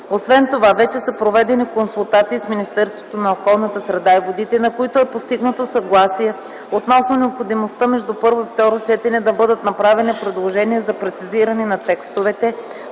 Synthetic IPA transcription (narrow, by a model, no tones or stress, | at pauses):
osvɛnt̪ovavɛt͡ʃɛsəpɾovɛd̪ɛnikonsulˠt̪at̪siːsminist̪ɛɾst̪vot̪onɐokɔlˠnət̪əsɾɛd̪aivod̪it̪ɛnɐkoit̪oɛpost̪iɡnət̪osɐɡlˠasiɛ | ot̪nɔsnonɛopxod̪imost̪əmɛʒd̪upɤɾvoift̪ɔɾot͡ʃɛt̪ɛnɛd̪ɐbɤd̪ət̪nɐpɾavɛnipɾɛd̪lˠoʒɛniɛzɐpɾɛt̪siziɾənɛnɐt̪ɛkst̪ovɛt̪ɛ